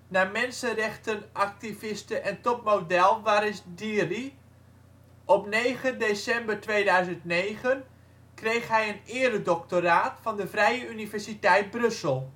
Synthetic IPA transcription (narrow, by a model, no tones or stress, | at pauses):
naːmɛnsənrɛχtənʔak̚tivɪstəʔɛntɔpmowdɛlˠʋaːɾɪsdiri | ʔɔpnejχədesɛmbəɹtʋeːdœɥzəntnejχən | krejχɦɛjənɪːɾədɔk̚toɾaːtfɑndəvrɛjəynivɛɹsitɛjt̚brɵsəlˠ